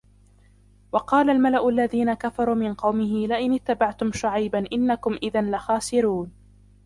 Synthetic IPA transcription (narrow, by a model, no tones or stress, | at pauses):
wɑqɑːlalmalaʔʊalːaðiːnakafɑɾˤuːmɪnqɑwmɪɦɪlɪʔɪnɪt̪ːabaʕt̪ʊmʃʊʕajbanʔɪnːakʊmʔɪðɪnlaxaːsɪɾuːn